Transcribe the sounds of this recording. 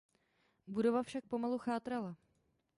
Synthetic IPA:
budo̞vafʃak̚po̞maluxaːt̪ɾala

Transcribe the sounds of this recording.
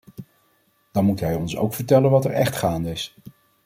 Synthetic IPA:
d̥ɑnmutɦɛjɔnso̰wkfəɹtɛlənʋɑtɛɹɛχtχaːndəɪs

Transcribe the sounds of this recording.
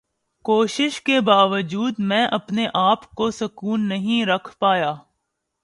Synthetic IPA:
koːʃɪʃkebaːʋəd͡ʒuːd̪mɛ̃ːʔɐpneʔaːpkosɐkuːnːɐɦĩɾɐkʰpaːjaː

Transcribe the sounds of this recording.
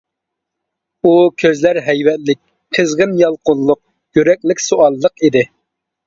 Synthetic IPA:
ukʲʰøzlæɾɦɛjwɛt̪̚lɪk̚ʲ | qʰəzʁənjɑlˠqʊllːˠʊq̚ | jyɾɛk̚ʲlɪkʲsoʔɑlˠːəqid̪ɪ

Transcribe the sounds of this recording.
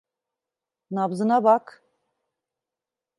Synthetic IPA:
nabzɯnabak

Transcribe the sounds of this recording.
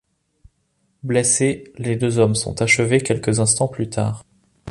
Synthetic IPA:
bleseled̪øzɔmsɔ̰̃t̪aʃəvekʲɛlkəzɛ̃st̪ɑ̃plyt̪ʰa̰ːʁ

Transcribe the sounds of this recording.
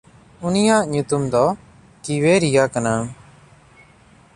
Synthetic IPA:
unijaʔɲut̪umd̪ɔ | kiweɾijakana

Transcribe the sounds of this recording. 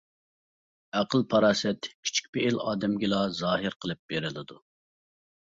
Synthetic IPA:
æqʰəlˠpʰɑɾɑːsɛt̪kʲʰi̥t͡ʃʰi̥k̚ʲpeːlɑ̰ːd̪ɛmɡʲilˠɑzɑːɦɨɾqʰəlˠɨp̚b̥eɾɪlɪd̪u

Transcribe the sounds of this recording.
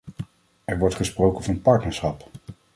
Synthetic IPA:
ɛɹʋɔɹtχəsprowkənvɑnpɑɹtnəɹsχɑp

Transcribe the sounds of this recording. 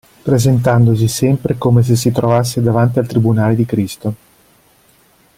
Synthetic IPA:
pɾezent̪and̪os̬isɛmpɾekoːmes̬es̬ːit̪ɾovas̬ːed̪avant̪ialt̪ɾibunaːled̪ikɾist̪o

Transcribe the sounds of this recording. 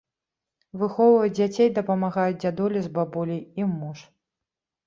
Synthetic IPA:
vɨxɔwvɐd͡zʲat͡sʲejd̪ɐpɐmaɣajud͡zʲd͡zʲad̪ɔlʲizbabulʲijimuʂ

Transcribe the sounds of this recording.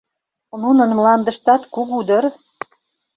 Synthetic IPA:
nunə̆nmlɑnd̪əʃt̪ɑt̪kukud̪ər

